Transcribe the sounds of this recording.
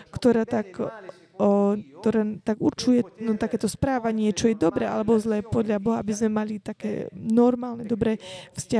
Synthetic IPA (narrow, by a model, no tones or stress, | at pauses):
kt̪ɔɾaːt̪ak | kt̪ɔɾat̪aɡṵɾt͡ʃujɛnɔt̪akɛːt̪ɔspɾaːʋaɲɪɛt͡ʃɔjɛd̪ɔbɾɛʔa̰lɛbɔzlɛːpɔd̪ʎabɔɦaabizmɛmalit̪akɛ̰ːnɔɾmaːlnɛd̪ɔbɾɛfsca